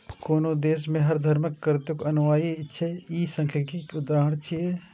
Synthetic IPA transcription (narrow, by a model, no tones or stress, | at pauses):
koːnod̪eːs̬mẽɦɐɾd̪ʱɐɾməkːəɾɪt̪jʊkoɐnʋaːiɪtːʃʰeiːsɐ̃ŋkʰjakiʊd̪aːɦəɳ̃t͡ʃʰie